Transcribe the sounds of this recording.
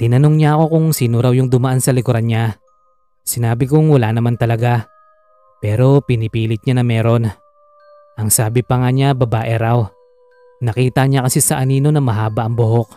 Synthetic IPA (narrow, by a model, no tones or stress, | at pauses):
t̪ɪnɐno̞ŋɲaʔɐko̞kʊŋsiːnoɾawjʊŋd̪ʊmɐʔansɐlɪkʊɾanɲa | sɪnaːbɪkʊŋwɐlanɐmant̪ɐlɐɡa | pɛːɾo̞pɪnɪpiːlɪt̪̚ɲanɐmɛːɾo̞n | ʔɐŋsaːbɪpɐŋaɲabɐbaːʔɪɾaw | nɐkiːt̪ɐɲakɐsisɐʔɐniːno̞nɐmɐɦaːbɐʔɐŋbʊɦo̞k̚